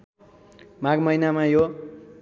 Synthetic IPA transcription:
maɡmʌjnamajo

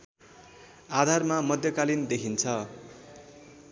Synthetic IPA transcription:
ad̪ʱarmamʌd̪jʌkalind̪ekʰint͡sʰʌ

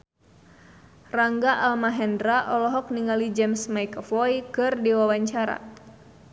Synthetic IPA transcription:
raŋɡaʔalmaɦɛndɾaʔɔlɔɦɔk̚niŋalid͡ʒɛmsmajkɔfɔjkɨrdiwawaɲt͡ʃaɾa̰

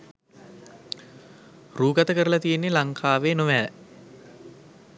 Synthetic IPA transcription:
ruːɡat̪əkəɾəlat̪ijenːelaŋkʰaːʋeːnoʋæː

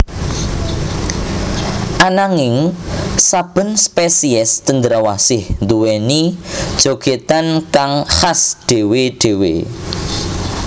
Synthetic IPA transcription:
ʔanaŋɪŋsab̥ə̤nspesiɛst̪ənd̪əɾawasɪhnd̪uwɛnid̥ʒ̥oɡ̥et̪ankaŋhasd̪̥e̤weɖ̪̥e̤wḛ

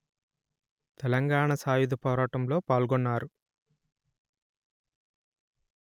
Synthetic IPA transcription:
t̪ɛlɐŋɡaːɳɐsaːjud̪ɐpɔːɾaːʈɐmlo̞ːpaːlɡɔnːaːɾu

